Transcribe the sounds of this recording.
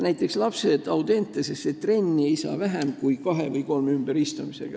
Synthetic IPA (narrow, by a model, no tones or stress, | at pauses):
næjt̪ːˑekslɑpse̞d̪ɑwt̪e̞nt̪ːˑesest̪et̪ːre̞nʲːieijsɑ̰ːvæɦæmkujkɑɦe̞vɤjko̞lmymb̥eɾist̪umise̞̰ɡ̥ɑ